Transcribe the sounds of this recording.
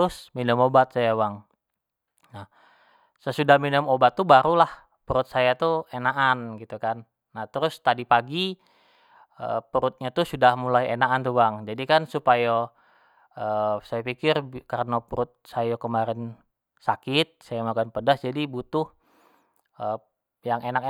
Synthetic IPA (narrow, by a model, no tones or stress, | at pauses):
ʊsminəmobat̪̚sajawaŋ | nah | səsudahminəmobat̪ːubaɾulah | pəɾʊt̪̚sajat̪uenaʔanɡit̪ukanː | at̪əɾʊst̪adipaɡi | ə̰pəɾʊt̪̚ɲat̪usudahmulajḛnaʔant̪uwaŋd͡ʒadikansupaja | əsajapikɪrkaɾənapəɾʊt̪̚sajakəmaɾɪn | sakɪt̪̚sajamakanpədasd͡ʒadibut̪ʊh | ə | jaŋenak